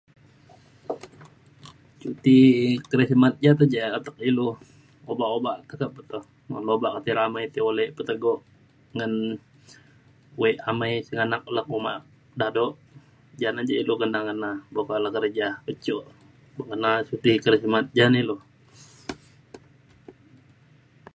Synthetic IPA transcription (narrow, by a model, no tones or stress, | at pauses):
t͡ʃut̪ikəɾəsimat̪̚d͡ʒat̪əd͡ʒaət̪ək̚ilu | obaʔobaʔt̪əkəbət̪oh | əlobaʔkat̪iɾamajt̪iolɛpət̪əɡoʔ | ŋən | uweʔamajsəŋanak̚lak̚uma̰ʔ | dadoʔ | d͡ʒanad͡ʒailukənakənabakalahkəɾd͡ʒakət͡ʃoʔ | bəkənasut̪ikəɾəsimat̪̚d͡ʒanilo